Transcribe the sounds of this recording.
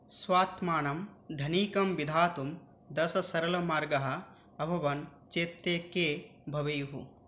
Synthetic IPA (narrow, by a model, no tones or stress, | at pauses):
sʋaːt̪maːnɐmd̪ʱɐniːkɐmʋid̪ʱaːt̪um | d̪ɐsɐsɐɾɐlɐmaːɾɡɐɦɐ̆ː | bʱɐʋɐnt͡ʃeːt̪ːeːkeːbʱɐʋɐjɦṵ